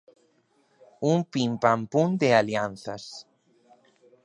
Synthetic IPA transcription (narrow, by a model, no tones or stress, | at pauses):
umpimpampũnd̪ealianθas